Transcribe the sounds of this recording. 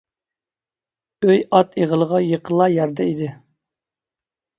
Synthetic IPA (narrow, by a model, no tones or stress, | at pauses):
øjɑt̪ʰeʁəlˠəʁɑjəqʰəlˠːɑjɛɾd̪ɛid̪ɪ